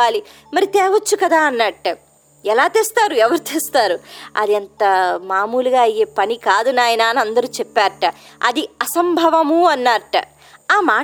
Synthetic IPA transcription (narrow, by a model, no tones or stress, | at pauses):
aːli | mɐɾit̪ɛːʋɐt͡ʃːukɐd̪aːɐnːɐʈ | ɛlaːt̪eːst̪aːɾuɛʋɐɾut̪eːst̪aːɾuɐ̰d̪ɛnt̪ɐmaːmuːluɡaːjeːpɐnikaːd̪unaːjɐnaːnɐnd̪ɐɾuːt͡ʃɛpːaːɐʈɐ̰d̪iɐsɐmbʱɐʋɐmuɐnːaːʈ | aːmaː